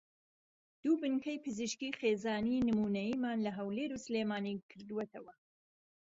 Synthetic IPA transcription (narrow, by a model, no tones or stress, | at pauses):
d̪̥uːbɨnkɐjpɨzɨʃkiːxeːzaːniːnɨmuːnɐjiːmaːnlɐɦɐwleːɾusɨleːmaːnikʰɨɾd̪uwet̪ʰɐwɐ